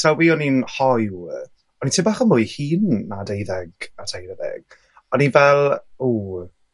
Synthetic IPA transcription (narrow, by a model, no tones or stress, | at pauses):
sawiːɔninhɔj | ɔnitʰɪmbaːχəmʊjhiːnːadejðɛɡatʰajɾəðɛ̰ɡ̥ | ɔninvɛlˠuː